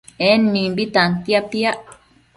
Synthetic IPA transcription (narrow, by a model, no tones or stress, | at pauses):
enmĩmbit̪ant̪japiaʔ